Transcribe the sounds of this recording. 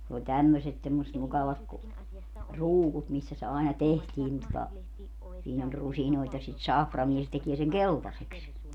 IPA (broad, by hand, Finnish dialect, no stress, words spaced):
ne olʲ tæmːøset semːosʲet mukɑʋɑt ku ruːkut misːæ se ɑˑenɑ tehtiː nin totɑ siːn olʲ rusinoit jɑ sit sɑfrɑmie se tekie seŋ keltɑseks